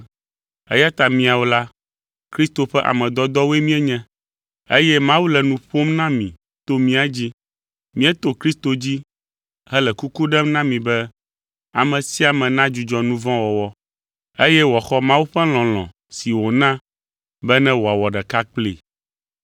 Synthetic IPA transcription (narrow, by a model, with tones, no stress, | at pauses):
ɛ̰˦ja˦t̪a˨mĩ˨a˨wo˨˦la˦ | kɾi˦st̪o˨ɸɛ˦ʔa̰˨mɛ̃˨d̪ɔ˦d̪ɔ˦we˦mĩ˦ɛ˦ɲɛ̃˦ | e˦jɛ˦mã˦wu˦lɛ˨nũ˨ɸo˦mnã˦mĩ˨ | t̪o˦mĩ˦a˨d͡ʑi˦ | mĩ˦ɛ˦t̪o˨kɾi˦st̪o˨d͡ʑi˦ | ɦɛ˦lɛ˨ku˦ku˦ɖɛ˦mnã˦mĩ˨bɛ˦ | a˨mɛ̃˨si˦a˨mɛ̃˨nã˦d͡ʒu˨d͡ʒɔ˦nũ˦vɔ̃˦wɔ˨wɔ˦ | e˦jɛ˦wɔ˨xɔ˦mã˦wu˦ɸɛ˦l̃ɔ̃˨l̃ɔ̰̃˨ | si˨wo˨nã˦ | bɛ˦nɛ̃˦wo˨a˨wɔ˨ɖɛ˨ka˦k͡plḛ˨